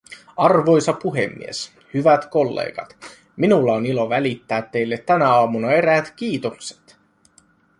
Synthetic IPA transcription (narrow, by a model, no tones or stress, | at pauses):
ɑrʋo̞jsɑpuɦe̞̰mːḭes | hyʋæt̪ko̞lːḛːɡ̥ɑt̪ | minulːɑonilo̞ʋælit̪ːæːt̪ːe̞jlːet̪ːænæɑːmunɑe̞ɾæːt̪k̟iːt̪okse̥t̪